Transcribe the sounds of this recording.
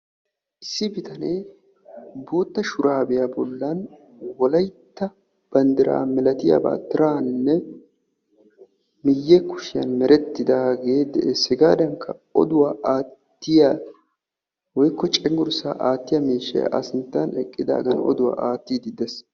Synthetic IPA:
ʔɪsːɪbɪt̪ɐne | bo̞ːt̪ːɐʃʊɾaːbɛjabɔlːɐn | wɔlɐjt̪ːɐ | b̥ɐnd̪ɪɾa̰ːmɛlɐt̪ɪja̰ːba̰ːt̪ːɪɾaːnɪnːɛ | mɪjːɛkʊ̥ʃɪjɐ̰nmɛɾɛt̪ːɪd̪aːɡe̞ːd̪ɛʔesɪɡaːd̪ɐŋkʰːɐɔ̰d̪ʊwaːʔaːt̪ːɪja | wɔjkːɔt͡ʃʼɛŋɡʊɾsa̰ːʔaːt̪ːɪjɐmiːʃːɛ̰j̰ʔɐ̰sɪnt̪ːɐnɛkʼːɪd̪a̰ːɡɐnɔ̰d̪ʊwa̰ːʔaːt̪ːiːd̪ɪd̪ɛs

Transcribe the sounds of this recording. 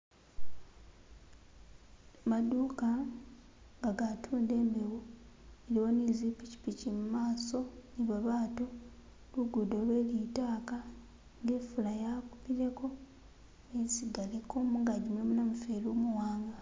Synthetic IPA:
maduːka | ŋɡaɡatʰuːnde̞ːmbewueɾiwo̞nizipici̥picimumaːso̞niβaβaːto | luɡudo̞lwe̞ːlitaːka | ŋɡeːfulajakupiɾe̞ko̞ | esiɡaleko̞muŋɡaɟumjoːmunamufelumuwaːŋɡa

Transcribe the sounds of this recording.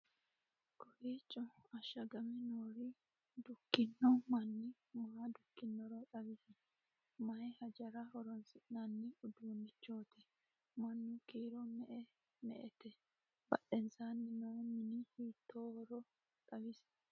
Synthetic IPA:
kɔɾiːt͡ʃʼːɔɐʃɐɡɐmɛnoːɾɪ | d̪ʊkːɪnːɔmɐnːɪ | mʊhad̪ʊkːɪnːɔɾɔtʼɐbɪsɪ | mɐjhɐd͡ʒɐɾɐhɔɾɔnsɪnɐnːɪʊd̪unːɪt͡ʃːoːt̪ɪ | mɐnːʊkiːɾɔmɛʔɛ | mɛ̰ʔɛt̪ɛ | b̥ɐɗɛnsaːnːɪnoːmɪnɪhiːt̪ːoːhɔɾɔ | tʼɐbɪs

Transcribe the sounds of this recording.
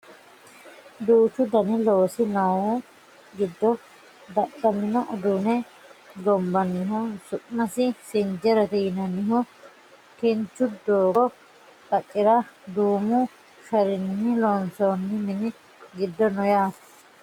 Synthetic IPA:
d̪uːt͡ʃːʊd̪ɐnɪloːsɪnɐwɔ | ɡɪd̪ːɔ | d̪ɐɗɐmɪnɔʔɔd̪ʊnɛ | ɡɔmbɐnɪɦʊsʊʔmɐsɪsɪnd͡ʒɛɾɛt̪ɛjɪnɐnɪɦʊ | kɛnt͡ʃːʊd̪oːɡɔ | k̪ɐkʼːɪɾɐd̪uːmʊ | fɛɾɪnːɪlɔnsonːɪmɪnɪ | ɡɪd̪ːɔnɔjaːt̪ɐ̥

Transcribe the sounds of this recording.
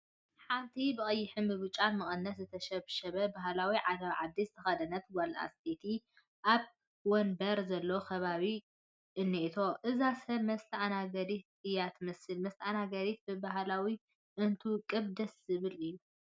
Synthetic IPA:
ħant̪ʰibɨxʼɐjːɪħɨnbɨβɨt͡ʃʼanmɨχʼɨnːɐt̪zɨt̪ʰɐʃɐβʃɐβɐbaɦlawiʕad̪ɐβʕad̪ːizɨt̪ʰɐxɐd̪ɐnːɐt̪wɐla̰st̪ʰet̪ʰi | ʔaβ | wɔnbɐɾzɐlːookʰɐβaβi | ʔɨnːiʔit̪ʰo̞ʔɨzasɐβmɐst̪ʰanaɡɐd̪it̪̚ɨjat̪mɐsɨlmɐst̪ʰʔanaɡɐɾit̪̚bɨbaɦlawi | ʔɨnt̪ʰukʼɨβd̪ɐszɨβɨlɨjːu

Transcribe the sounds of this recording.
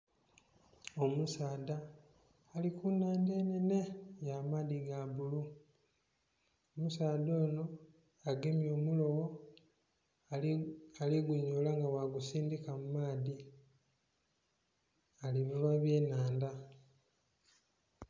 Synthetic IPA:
omusaːdaː | likunaːnde̞ːnene̞jamaːðiɡabulu | omusaːdo̞ːno̞ | aɡemjo̞ːmulo̞wo | aliɡuɲoːlaŋɡawaɡusiːndikamumaːði | aliβilwaβjeːnaːnda

